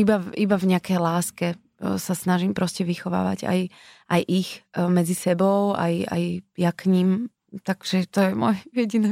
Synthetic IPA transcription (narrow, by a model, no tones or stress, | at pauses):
ibaibavɲɛakɛjlaːskɛ | sasnaʒimpɾɔscɛʋixɔʋa̰ːʋa̰ɟa̰j | ʔajʔixmɛd͡zisɛbɔʊa̰ja̰jjakɲim | t̪aɡ̥ʒ̥ɛt̪ɔjɛmɔjjɛɟinɛ